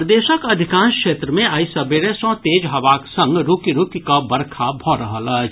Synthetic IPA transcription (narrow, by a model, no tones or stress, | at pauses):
ɾd̪eːʃəkɐd̪ʱɪkãːnskʃeːt̪ɾəmẽɐisɐbeɾesɔ̃ːt̪eːd͡ʒɦɐʋaːksɐ̃ŋɡɾukiɾukkabɐɾkʰabʱɔːɾɐɦəlɐː